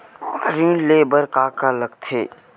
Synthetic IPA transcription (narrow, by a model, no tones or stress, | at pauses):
ɾĩːleːbəɾkaːkaləɡt̪ʰeː